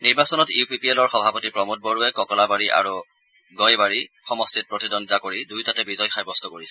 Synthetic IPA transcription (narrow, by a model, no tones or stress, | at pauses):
niɹbasɔnɔtipʰipielɔɹxɔbʱapɔtipɹɔmut̚bɔɹuɛkɔkɔlabaɹiʔa̰ɹu | ɡɔjbaɹi | xɔmɔstʰit̚pɹɔtidɔntakoɹidujtatɛbizɔjxajbɔstʰɔkoɹisɛ̥